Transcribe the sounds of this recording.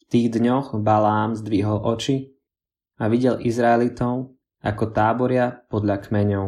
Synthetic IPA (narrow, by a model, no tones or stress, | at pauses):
ft̪iːɣd̪ɲɔɣbalaːmzd̪ʋiɦɔlʔɔt͡ʃi | aʋiɟɛlʔizɾaɛlit̪ɔʊ | ʔakɔt̪aːbɔɾɪapɔd̪ʎakmɛɲɔʊ